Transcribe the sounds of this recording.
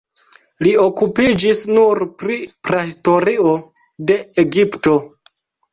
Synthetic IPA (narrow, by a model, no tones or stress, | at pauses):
liokupid͡ʒisnuɾpɾipɾahisto̞ɾio̞ | de̞eɡipto̞